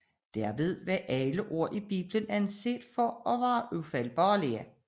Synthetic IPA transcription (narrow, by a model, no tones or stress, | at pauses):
d̥æɐʋe̝ð̞ˠʋæʔæləʔo̝ɐ̰ʔib̥ḭːb̥lənænse̝̰ːd̥fɒɒ̽ʋɑ̈ːʔufælb̥ɒːliæ